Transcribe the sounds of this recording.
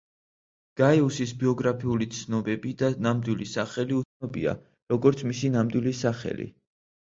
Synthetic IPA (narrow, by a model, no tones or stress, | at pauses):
ɡ̥aiusisbiɔɡɾapʰiulit̪sʰnɔbɛbid̪anamd̪wilisaχɛliut̪sʰnɔbḭa̰ | ɾɔɡɔɾt̪sʰmisinamd̪wilisaχɛ̰lḭ